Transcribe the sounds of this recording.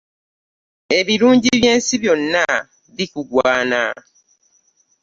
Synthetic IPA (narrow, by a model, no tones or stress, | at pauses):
e̞βiɾuːɲɟiβje̞ːnsiβjo̞nːa | βikuɡwaːna̰